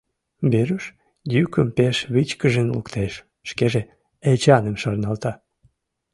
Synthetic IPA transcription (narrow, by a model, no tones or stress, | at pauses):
beɾyʃ | jykəmpeʃβit͡ɕkəʒenlṵkt̪eʃː | keʒe | et͡ɕɑnemʃɑrnɑlt̪ɑ